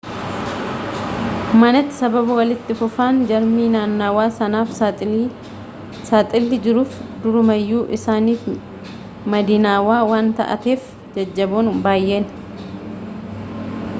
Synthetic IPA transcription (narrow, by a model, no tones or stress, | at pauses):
mɐnɐt̪ːɪ̥sɐbɐbɐwɐlɪt̪ːɪfʊfaːnd͡ʒɐɾmiːnaːnːaːwaːsɐnaːf | saːt̪ʼɪlːɪd͡ʒɪɾuːfd̪ʊɾʊmɐjːuːʔɪsaːniːf | mɐd̪iːnaːwaːwaːnt̪ɐ̰ʔɐ̰t̪eːf | d͡ʒɐd͡ʒːɐboːnbaːjʔe̞ːn